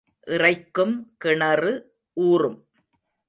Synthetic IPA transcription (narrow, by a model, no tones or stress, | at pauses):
ʔɪrɐɪkːɯmkɪɳɐrɯ | ʔuːrɯm